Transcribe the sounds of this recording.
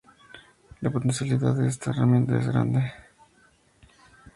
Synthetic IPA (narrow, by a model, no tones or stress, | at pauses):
lapot̪ensjaliðaðeest̪aeramje̞nt̪aezɣɾa̰nd̪e